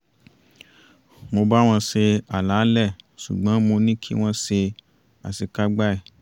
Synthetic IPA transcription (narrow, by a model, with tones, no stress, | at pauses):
mo˧ba˦w̃ɔ̃˧se˧a˨la˨˦lɛ˦˨ʃu˨ɡ͡bɔ̃˨˦mo˧nĩ˦kʰi˦w̃ɔ̃˦se˧ | a̰˨si˨ka˦ɡ͡ba˦ɛ˦˨